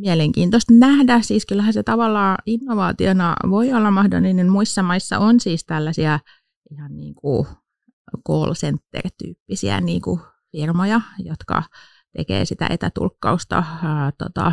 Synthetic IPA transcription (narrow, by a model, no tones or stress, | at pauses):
mieleŋkḭːnt̪ost̪næhdæsiːskylhæset̪ɑʋɑlːɑːinːoʋɑːt̪ionɑ̰ʋoiolːɑmɑhdo̰lːinenmuisːɑmɑisːɑ̰ʔonsiːst̪ælːæsiæ | ʔihɑnniːŋku | koːlsent̪ːḛrt̪y̰ːpːisḭæ̰niːŋku | firmojɑjot̪kɑ̰ | t̪ekḛːsit̪æ̰ʔet̪æt̪ṵlkːɑust̪ɑ̰t̪o̰t̪ɑ̰